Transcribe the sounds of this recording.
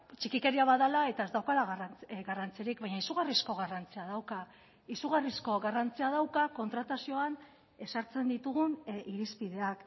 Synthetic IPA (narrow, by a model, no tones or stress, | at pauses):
t͡ʃikike̞ɾiaβaðalae̞t̪aezd̪awkalaɣrɡarant͡sieɾik̚βajɲaisuɣarisko̞ɣarant͡siað̞awka | isuɣ̞arisko̞ɣarant͡siað̞awkako̞nt̪ɾat̪asio̞an | e̞saɾt͡se̞nd̪it̪uɣuniɾispiðe̞ak